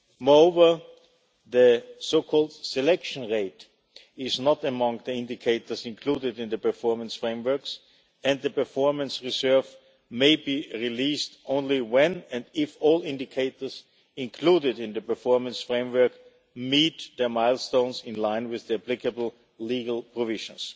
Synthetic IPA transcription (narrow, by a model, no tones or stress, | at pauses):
mɔoʊvə˞ | ðɨsoʊkʰɔlˠd̥sɛlɛkʃə̃nɹeɪt | ɪznətəmʌ̃ŋðiɪ̃ndɪkʰeɪtə˞sɪ̃nkʰl̥udɪdɨ̃nðɨpə˞fɔɹmə̃nsfɹẽɪ̃mwɜ˞ks | ɨ̃nðɨpə˞fɔɹmə̃nsɹizɜ˞v | meɪbiɹilistʔõʊ̃nliwɛ̃nɛ̃ndɪfɔlˠɪ̃ndɪkʰeɪtə˞z | ɪ̃nkʰl̥uɾɪdɪ̃nðəpə˞fɔɹmə̃nsfɹẽɪ̃mwɜ˞k | mit̪ðə˞maɪlˠstõʊ̃nsɪ̃nlãɪ̃nwɪððəæplɪkəbl̩ˠ | liɡl̩ˠpʰɹɔvɪʒə̃ns